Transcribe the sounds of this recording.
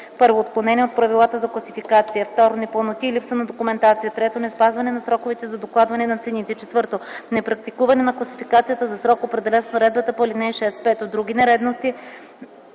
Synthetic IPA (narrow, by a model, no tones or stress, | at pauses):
pɤɾvoːt̪̚klonɛniɛot̪̚pɾɐvilˠat̪əzɐklˠɐsifikat̪sijəft̪ɔɾonɛpəlˠnot̪iːlipsənɐd̪okumɛnt̪at̪sijət̪ɾɛt̪onɛspazvɐnɛnɐsɾɔkovit̪ɛzɐd̪oklˠad̪vɐnɛnɐt̪sɛnit̪ɛt͡ʃɛt̪vɤɾt̪onɛpɾɐkt̪ikuvɐnɛnɐklˠɐsi̥fikat̪sijət̪əzɐsɾɔkopɾɛd̪ɛlɛnsnɐɾɛd̪bət̪əpolinɛiʃɛspɛt̪od̪ɾuɡʲinɛɾɛd̪nost̪i